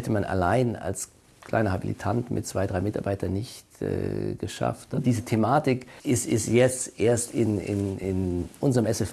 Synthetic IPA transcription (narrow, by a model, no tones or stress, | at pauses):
ɛtʰəmanʔa̰laɪna̰ls | kʰl̥a̰ɪnɐhabḭlḭtʰantmʔɪt̚t͡sv̥aɪdʁaɪmɪtaɐbaɪtɐnːɪçtɛ̰ːɡ̥əʃa̰ftd̥iːzətʰemaːtɪkɪstɪstjɛt͡sʔeːɐstɪnɪ̰nɪnʔʊnzəʁəmɛsɛf